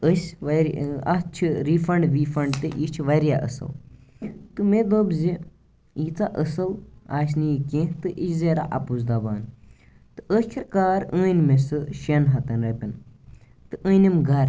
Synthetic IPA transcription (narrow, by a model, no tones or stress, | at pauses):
əsʲʋɐɾɐst͡ʃʰiɾifɐɳɖʋiːfɐɳɖt̪ɨʔit͡ʃʰʋɐɾjaʔə̰sɐ̰l | t̪ɨmed̪obzi | iːt͡saʔəsɐlaːs̬ʲnikʲẽt̪ɨʔit͡ʃʰzeɾa̰ʔɐ̰puzd̪abaːn | t̪ɨʔəkʲʰiɾkaːɾəːnʲmesɨʃɐnɦɐt̪ɐnɾɐpʲin | t̪ɨʔəːnʲimɡɐɾ